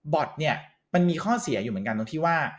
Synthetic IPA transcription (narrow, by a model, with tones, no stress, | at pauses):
bɔ˨˩t̪̚ni˥˩ɐ | ma˧nmiː˧kʰɔː˥˩si˨˩˦ɐjuː˨˩mɯ˩˦ə˦nka˧ndo˧ŋt̪ʰiː˥˩waː˥˩